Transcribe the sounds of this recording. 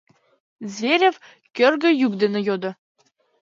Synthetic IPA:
zʲvʲeɾʲĕv | kʲørɡɘ̆jukd̪ĕnɘ̆jod̪ɤ̆

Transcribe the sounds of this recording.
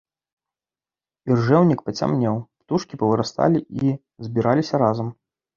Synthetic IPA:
irʐɛwnʲikpɐt͡sʲa̰mnʲɛwpt̪uʂkʲipɐvɨɾast̪a̰lʲiʔi | zʲbʲiɾalʲisʲɐɾazɐm

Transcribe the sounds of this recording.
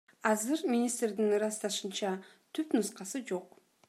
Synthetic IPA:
ɑzɨɾmʲɪnʲist̪rd̪inɾɑst̪ɑʃɯnt͡ʃɑ | t̪ʰypnusqɑsɯd͡ʒo̞q

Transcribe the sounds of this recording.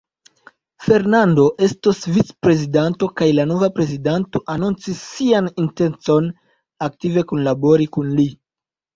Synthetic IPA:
fe̞ɾnando̞ʔe̞stosvit͡spɾe̞zidanto̞kajlano̞vapɾe̞zidanto̞ʔanunt͡sisːianinte̞nt͡so̞n | ak̚tive̞kunlabo̞ɾikunli

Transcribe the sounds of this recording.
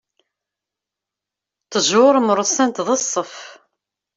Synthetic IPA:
t̪əʒʊɾˤməɾˤʊsænt̪ðəsˤːəf

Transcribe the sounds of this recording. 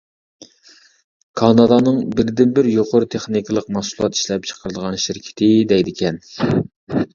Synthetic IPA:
kʰɑnɑd̪ɑnɨŋbɪɾd̪ɪnbɪɾjoqʰoɾʊt̪ʰeχnikʰəlˠəqmɑsulˠɑt̪i̥ʃlɛp̚t͡ʃʰə̥qʰəɾd̪əʁɑnʃɪɾkʲʰɪ̥t̪ʰɪd̪ɛjd̪ɪkʲʰɛn

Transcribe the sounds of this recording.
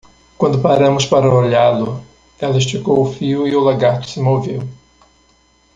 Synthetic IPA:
kwɐ̃nd̪ʊpaɾɐ̃mʊspaɾɐoʎalʊ | ɛlɐɪʃ̬t͡ʃikowʊfiʊɪʊlaɡaɾt̪ʊ̥sɪmovew

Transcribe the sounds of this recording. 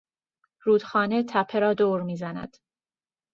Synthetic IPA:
ɾuːd̪̥xɒːne̞t̪ʰæpʰːeɾɒːd̪oːɾmiːzænæ̰d̪̥

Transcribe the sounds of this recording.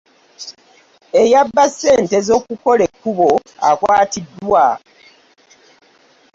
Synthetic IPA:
ejabːasːe̞ːntezo̞kuko̞le̞kːuβo̞a̰kwaːtidːwa

